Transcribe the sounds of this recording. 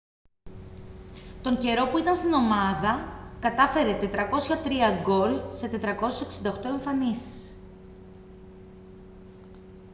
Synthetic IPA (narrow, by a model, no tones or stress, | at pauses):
t̪o̞ɲɟe̞ɾo̞puit̪ɐnst̪ino̞mɐðɐkɐt̪ɐfe̞ɾe̞t̪e̞t̪ɾɐko̞sçɐt̪ɾiɐɡo̞lse̞t̪e̞t̪ɾɐko̞seseksind̪ɐoxt̪o̞e̞ɱfɐnisi̥s